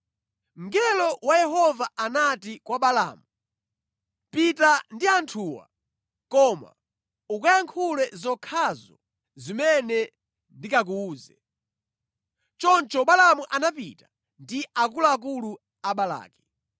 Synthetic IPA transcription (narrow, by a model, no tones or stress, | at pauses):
ŋ̩ɡɛlɔwajɛɦɔvaanatikwaɓala̰ːmu | pitandiantʰuwa̰ | kɔma̰ | ukajaŋkʰulɛzɔkʰazɔ̰ | zimɛnɛ | ndikak̬uuːzɛ | t͡ʃɔnt͡ʃɔɓalamuʔanapitḁ | ndiakulaːk̬ulu | aɓala̰ːkɛ̥